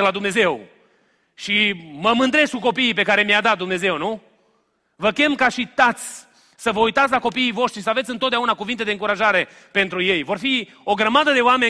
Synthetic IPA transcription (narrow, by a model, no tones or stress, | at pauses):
elad̪umne̞ze̞w | ʃiməmɨnd̪ɾe̞skuko̞piːp̬e̞kaɾe̞mjad̪at̪̚d̪umne̞ze̞wnu | vəkʲe̞mkaʃit̪at̪sʲ | səvəujt̪at̪s̬ʲlako̞piːjvo̞ʃt̪ɾisəave̞t̪sɨnt̪ot̪d̪aunakuvint̪e̞d̪eɨŋkuɾaʒaɾe̞ | pe̞nt̪ɾuje̞jvo̞rfi | o̞ɡɾəmad̪əd̪e̞owame̞